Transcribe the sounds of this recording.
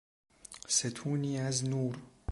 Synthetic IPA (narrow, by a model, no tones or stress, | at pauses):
set̪ʰuːniːʕaznuːɾ